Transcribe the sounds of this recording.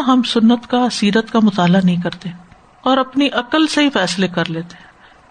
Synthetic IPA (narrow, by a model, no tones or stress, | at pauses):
ɦɐmsʊnːət̪kaɐsiːɾət̪kamʊt̪aːlanɐɦĩk̬ɐɾt̪e | ɔːɾɐpniʔɐkəlseɦifɛːslekɐɾleːt̪eː